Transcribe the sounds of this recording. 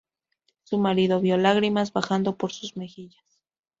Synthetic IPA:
sumaɾiðo̞βjo̞laɣɾimazβaxand̪o̞po̞ɾsuzme̞xiʝas

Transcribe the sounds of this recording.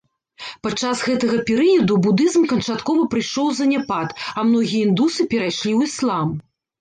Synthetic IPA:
pat͡ʂːasɣɛt̪ɐɣɐpʲɛɾɨjɐd̪ubud̪ɨzmkɐnt͡ʂat̪kɔvɐpɾɨjʂɔwzɐnʲɛpat̪ɐmnɔɣʲijɐind̪usɨpʲɛɾajʂlʲiwislˠam

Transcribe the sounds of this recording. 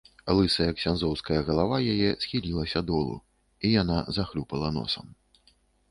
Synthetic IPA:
alˠɨsɐjɐksʲanzɔwskɐjɐɣɐlˠavajajɛsxʲilʲilˠɐsʲɐd̪ɔlˠṵ | ijanazaxlʲupɐlˠɐnɔ̰sɐm

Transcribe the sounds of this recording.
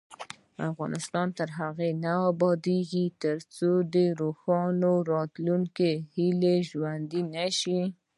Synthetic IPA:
a̰fɣɑnʔɪst̪ɑnt̪əɾɦaɣenaabɑd̪eɡit̪əɾt͡sod̪əɾoxɑnoɾɑt̪luŋkehileʒwand̪inaʃi

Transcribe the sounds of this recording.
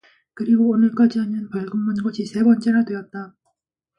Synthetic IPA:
kɯɾiɡoːnɯɭk͈ad͡ʑiɦamjʌnpʌɭɡɯmːʌnɡʌɕʰisʰe̞bʌnt͡ɕ͈e̞ɾadwe̞ʌt̚t͈a

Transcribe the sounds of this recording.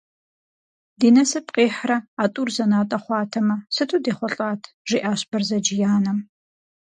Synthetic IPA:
diːnɐsɨpʼqʼeːħrɐaːtʼuːrzɐnaːtʼɐχʷɑːtʰɐmɐsɨtʰuːdeːχʷɔɬʼaːtʰ | ʒ̥iːʔaːɕb̥ɐrzɐd͡ʒɪjaːnɐm

